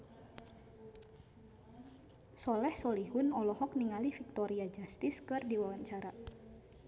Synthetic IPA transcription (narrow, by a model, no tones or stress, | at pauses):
sɔlɛhsɔliɦunɔlɔhɔk̚niŋalifik̚t̪ɔɾiad͡ʒast̪iskɨrdiwawaɲt͡ʃaɾa